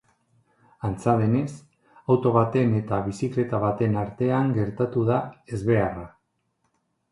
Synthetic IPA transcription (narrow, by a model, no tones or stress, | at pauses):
ant͡saðe̞ne̞s | awt̪o̞β̞at̪e̞ne̞t̪aβ̞isikle̞t̪aβ̞at̪e̞naɾt̪e̞aŋɡe̞ɾt̪at̪uðae̞zβe̞ara